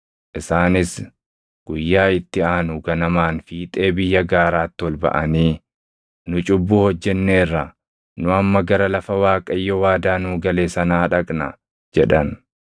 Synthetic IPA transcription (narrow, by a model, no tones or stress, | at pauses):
ʔɪsaːnɪs | ɡ̥ʊjːaːɪt̪ːɪaːnuɡɐnɐmaːnfiːt̪ʼe̞ːbɪjːɐɡaːɾaːt̪ːɪwɔlbɐ̰ʔɐniː | nʊt͡ʃʼʊbːuːhɔd͡ʒːɛnːeːrːɐ | nʊɐmːɐɡɐɾɐlɐfɐwaːkʼɐjːɔwaːd̪aːnuːɡɐle̞ːsɐnaːᶑɐkʼnɐ | d͡ʒɛᶑɐn